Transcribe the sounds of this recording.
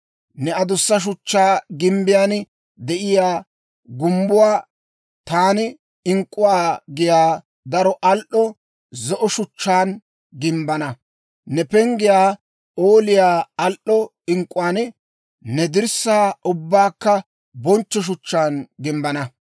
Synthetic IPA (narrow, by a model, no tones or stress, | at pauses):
nɛɐd̪ʊsːɐʃ̬ʊt͡ʃːaːɡɪmbɪjaːn | d̪ɛʔɪjaː | ɡʊmbʊwaː | t̪aːnɪ | ɪŋkʼːʊwaːɡɪjaː | d̪ɐɾɔʔɐlʔːɔ | zɔʔɔʃʊt͡ʃːaːn | ɡɪmbɐnɐ | nɛpɛŋɡɪjaː | oːlɪjaːɐlʔːɔ | ɪŋkʼʊwaːn | nɛd̪ɪɾsːaːʔʊbːaːkːɐ | bɔnt͡ʃːɔʃ̬ʊt͡ʃːaːnɡɪmbɐnɐ